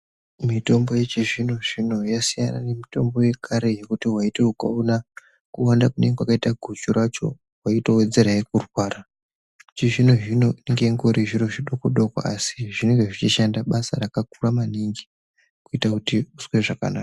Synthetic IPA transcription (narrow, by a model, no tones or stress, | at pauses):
mito̞mbo̞je̞t͡ʃiʐino̞ʐino̞jasijana̰ne̞mito̞mbo̞je̞kʰaɾe̞je̞kutiɦwaiteuka̰una | kuwandakune̞ŋɡewakaitaɡʱut͡ʃuɾat͡ʃo̞̰ | waito̞we̞d͡ze̞ɾajek̚urwaːra | t͡ʃiʐinoʐino̞ineŋɡeŋɡoɾiʐiɾo̞ʐiɗokoɗokwa̰asi̥ʐine̞ŋɡe̞ʐit͡ʃiʃandaɓasa̰ɾakak̚uramaniŋɡi | kuitakutiuswe̞ʐaka̰naːka